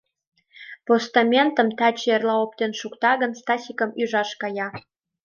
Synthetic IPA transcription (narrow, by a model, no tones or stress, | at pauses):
post̪ɑmʲent̪ə̆mt̪ɑt͡ɕerlɑop̚t̪enʃukt̪ɑɣənst̪ɑsʲikəmyʒɑʃkɑjɑ